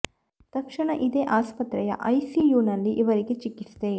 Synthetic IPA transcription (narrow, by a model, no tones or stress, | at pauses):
t̪ɐkʂɐɳɐʔid̪eːʔaːspɐt̪ɾɛjɐ̰ʔɐjsijuːnɐlːiʔiʋɐɾiɡet͡ʃikːisd̪e